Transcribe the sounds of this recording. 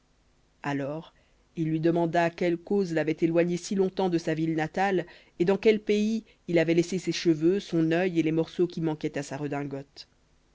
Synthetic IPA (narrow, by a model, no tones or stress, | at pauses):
alɔːʁ | ilːɥid̪əmɑ̃d̪aːkʲɛlkozlavɛt̪elwaɲesilɔ̃t̪ɑ̃d̪əsavilnat̪al | ed̪ɑ̃kʲɛlpei | ilavɛleseseʃəvøsɔ̃nœjelemɔʁsokʲimɑ̃kʲɛt̪asaʁəd̪ɛ̃ɡɔt̪